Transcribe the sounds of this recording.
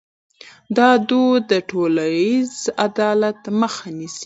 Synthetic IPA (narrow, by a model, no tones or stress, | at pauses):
d̪ɑd̪ud̪əʈʰolajizad̪ɑlat̪məxanisi̥